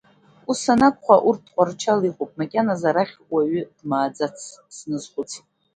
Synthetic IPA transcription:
usanakʷʼχʷaʔurt̚ʰdqʷʼart͡ʃʰaliχʷʼopʼmakʲʼanazaɾaχʲwaɥʏd̥maːd͡zat͡sʰsnɨzχʷʊt͡sʰ

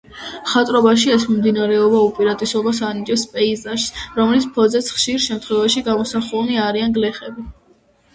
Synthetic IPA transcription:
χat̪ʼɾɔbaʃ̬iɛsmimd̪inaɾɛɔbaupʼiɾat̪ʼisɔbasanid͡ʒʼɛspʼɛizaʃsɾɔmlit̪sʰpʰɔd̪zɛt̪sʰχʃiɾʃɛmt̪ʰχwɛvaʃiɡamɔsaχulˠniaɾianɡlɛχɛbi

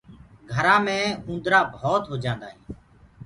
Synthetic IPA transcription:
ɡʱəɾãːmẽːũːnd̪ɾaːbʱoːt̪ɦoːd͡ʒãːnd̪aːɦĩː

